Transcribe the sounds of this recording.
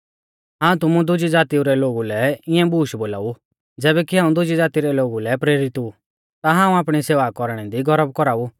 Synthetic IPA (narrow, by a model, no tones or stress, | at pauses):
ɦaːũt̪ʊmũd̪ʊd͡ʒid͡zaːt̪iuɾɛloːɡulɛɪɛ̃buːʃboːla̰ːu | d͡zɛːbɛkiɦaːũd̪ʊd͡ʒid͡zaːt̪iɾɛloːɡulɛpɾeːɾɪt̪u | t̪aɦãːũaːpɽ̃iseːʋakɔɾɽ̃ɛd̪iɡɔɾəb̚kɔɾaːu